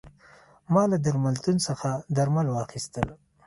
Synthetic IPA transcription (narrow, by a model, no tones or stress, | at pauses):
mɑlad̪aɾmalt̪unsəxad̪aɾmalwɑxist̪əl